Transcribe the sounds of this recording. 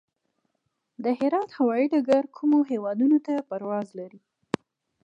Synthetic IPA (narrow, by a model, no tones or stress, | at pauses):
d̪əhɪɾɑt̪hawɑiɖaɡaɾkʰumoɦewɑd̪unot̪apaɾwɑzlaɾi